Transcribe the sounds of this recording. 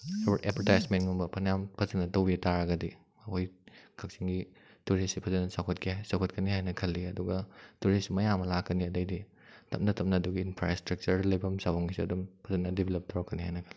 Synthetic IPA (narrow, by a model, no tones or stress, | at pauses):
sɔbtepʰɐɾtajsmentŋumbɐpʰɐnjampʰɐzɐnɐtɐwbitaɾɐɡɐdi | ɐkʰojkʰɐk̚siŋɡi | tuɾisipʰɐzɐnɐsawkʰɐtkʰiasawkʰɐt̚kɐniɦajnɐkʰɐlːiɐduɡɐtuɾisimɐjamɐlakːɐniɐdɐjdi | tʰɐ̰m̚nɐtʰɐm̚nɐːduɡiːnpʰɾastɾɐk̚t͡ʃɐɾlɐjbɐmsawaŋɡisiɐ̰dumpʰɐzɐnɐdibʱelɐp̚tʰɔɾkːɐnihajnɐkʰɐlːi